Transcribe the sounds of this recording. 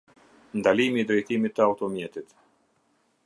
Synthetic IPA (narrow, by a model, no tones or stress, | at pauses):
nd̪alimiːd̪ɾɛjt̪imit̪ːəaut̪ɔmjɛt̪it̪